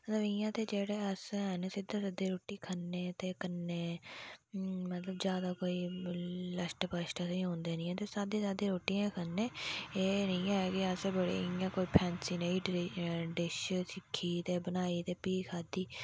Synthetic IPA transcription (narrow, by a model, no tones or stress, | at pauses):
mət̪ləbɪjãːt̪eːd͡ʒeːɽeːəsɛneːsɪd̪ãːsɪd̪eːɾoːʈːiːkʰənːeːt̪eːkənːeː | mət̪ləbd͡ʒjaːd̪aːkoːiːləsʈpəʃʈəsĩɦõːnd̪eːnĩːɛ̃ːt̪eːsaːd̪ẽːzjaːd̪eːɾoːʈːiːɛ̃ːkʰənːeːeːnəĩːɛkɪəsɛːbəɽḛːɪjãːkoːiːpʰɛːnsiːneiʈɖɪʃsɪkʰːiːt̪eːbənaːiːt̪eːpiːkʰaːd̪iː